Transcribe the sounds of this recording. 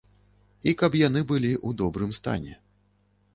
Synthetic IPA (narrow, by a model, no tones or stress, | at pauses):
ikɐpjan̪ɨbɨlʲiʔud̪ɔbɾɨmst̪a̰nʲɛ̰